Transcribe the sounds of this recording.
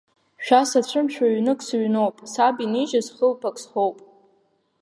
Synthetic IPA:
ʃᶣasat͡ɕʷʰɨmʃʷᶣʰaɥnɨkʷʼsɥnowpʼsabiniʒazχəlpʰakʼsχowpʼ

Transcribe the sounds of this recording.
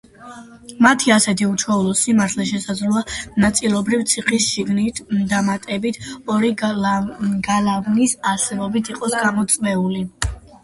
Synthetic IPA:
mat̪ʰiasɛt̪ʰiut͡ʃʰwɛulˠɔsimaɾt̪ʰlɛʃɛsazɾuanat̪sʼilˠɔbɾivt̪sʰiχisʃiɡnit̪ʰd̪amat̪ʼɛbit̪ʰɔɾi | ɡalavnisasɛbɔbit̪ʰiqʼɔsɡamɔt̪sʼvɛuli

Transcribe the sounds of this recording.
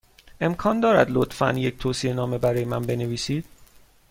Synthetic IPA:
ʔe̞mkʰɒːnd̪ɒːɾæ̰d̪lot̪fæ̰nje̞cʰt̪ʰoːsienɒːme̞bæɾɒːjemænbe̞ne̞viːsiːd̪̥

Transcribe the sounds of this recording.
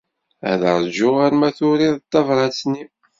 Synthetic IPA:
æ̰ðəɾˤd͡ʒʊʁaɾmæθʊɾiðˤt̪ːɑvɾˤɑt͡sːni

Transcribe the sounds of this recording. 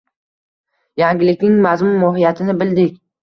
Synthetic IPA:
jaŋɡʲɪlɪkʲnɪŋmazmʊmːɒɦijat̪ʰɪnɪbɪld̪ɪkʲ

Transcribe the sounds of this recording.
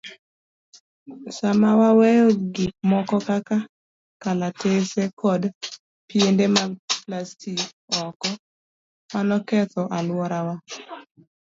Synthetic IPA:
samawawejoɡimɔkɔkaka | kalatesekʰɔd | piendemaplastʰik | ɔkɔ | manɔkɛt̪ɔʔalwɔɾawa

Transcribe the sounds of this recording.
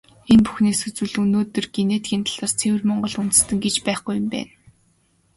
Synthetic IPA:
enpu̥xneːsɵt͡sŭɮunoːt̪ːɵ̆rɡeneːt̪ɡʲiːnt̪ʰḁɮaːrt͡sʰewɘ̆rmɔɴɢɞ̆ɮunt̪ɘ̥̆st̪ɘ̆ŋɡet͡ɕpæːχɡujə̆mpæ̰ːn

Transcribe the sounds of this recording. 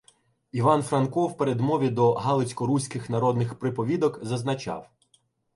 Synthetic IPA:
iʋɑnfɾɐnkɔwpeɾed̪mɔʋʲid̪ɔɦɑlˠɪt͡sʲkɔɾusʲkɪxnɐɾɔd̪nɪxpɾɪpɔʋʲid̪ɔkzɐznɐt͡ʃɑ̰w

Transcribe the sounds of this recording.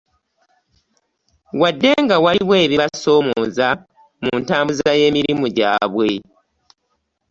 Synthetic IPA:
wadːe̞ŋɡawaliβwe̞ːβiβaso̞ːmoːza | muntaːmbuzaje̞ːmiɾimuɟa̰ːβwe̞

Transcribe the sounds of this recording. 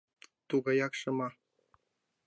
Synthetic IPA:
t̪uɣɑjɑkʃɤ̆mɑ

